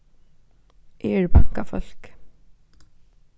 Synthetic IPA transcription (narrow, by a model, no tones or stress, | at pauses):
ʔeːɹbaŋkafɔl̥k